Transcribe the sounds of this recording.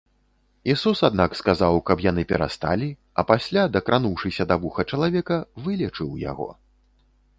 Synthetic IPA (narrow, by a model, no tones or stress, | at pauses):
isusad̪nakskazawkɐpjanɨpʲɛɾa̰st̪a̰lʲi | ɐ̰pasʲlʲad̪ɐkɾʔanuwʂɨsʲɐd̪avuxɐt͡ʂɐlˠavʲɛkɐvɨlʲɛt͡ʂɨwja̰ɣɔ̰